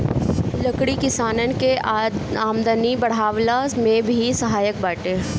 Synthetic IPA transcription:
lɐkɽikɪsaːnənkeaːmd̪ənibɐɽ̤aːʋlamẽbʱisɐɦaːjək̚baːʈẽː

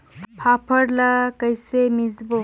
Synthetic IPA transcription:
pʰapʰəɽlakəjsemizbo

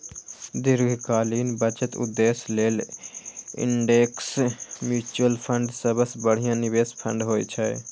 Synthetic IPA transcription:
d̪iɾɡʱkaːliːnbət͡ʃət̪ṵd̪ːeːsleːl | ɪ̰ɳɖeksmjut͡ʃuəlpʰəɳɖsəbəsbəɽ̤ijãnibeːspʰə̃ɳɖɦoːjt͡ʃʰɛ

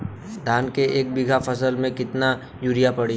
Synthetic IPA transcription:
d̪ʱaːnkeʔeːk̚bɪɡʱafʰɐsəlmẽkɪt̪na | juːɾijapɐɽi

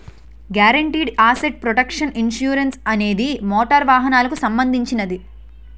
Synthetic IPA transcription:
ɡjaːɾɐɳʈiːɖaːseʈ̚pɾoʈɐkʂɐninʃjuːɾɐnsɐne̞ːd̪imɔːʈɐɾʋaːɦɐnaːlɐkusɐmbɐnd̪ʱiɲt͡ʃinɐd̪i

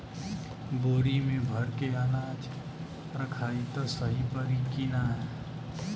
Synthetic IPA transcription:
boːɾimẽbʱəɾkeənaːd͡ʒ | ɾəkʰaːit̪ɔsəɦipəɾikinaɦɛ

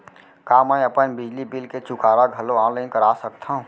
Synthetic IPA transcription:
kaːməiɐpənbɪd͡ʒlibɪlket͡ʃʊkaːɾaɡʱɐloãːləĩkəɾaːsək̚t̪ʰaɦũː

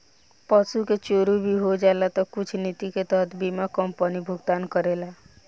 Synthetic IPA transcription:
pəsuket͡ʃoːɾubʱiɦod͡ʒalat̪ɔkʊt͡ʃʰnit̪iket̪əɦət̪ʰbimakəmpənibʱʊɡt̪aːnkəɾela

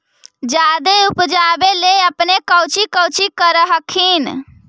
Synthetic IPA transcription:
d͡ʒaːd̪eupd͡ʒaːbeleəpnekəwt͡ʃikəwt͡ʃikəɾəɦəkʰin

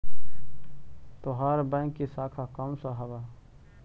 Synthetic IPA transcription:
t̪oɦaːɾbə̃kːisaːkʰakamsaɦɐwa

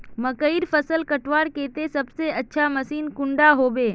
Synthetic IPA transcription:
məkəiɾpəsəlkəʈʋaːɽkeːt̪esɐbseətːʃʰamɐsiːnkʊ̃ɳɖaɦoːbeː

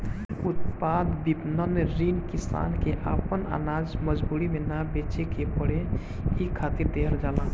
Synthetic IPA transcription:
ut̪pad̪bipnənɾinkisa̰nkeʔapəna̰nad͡ʒməd͡ʒbuɾimenabet͡ʃekepəɽe | ɦikʰat̪iɾd̪eɦəɾd͡ʒalã

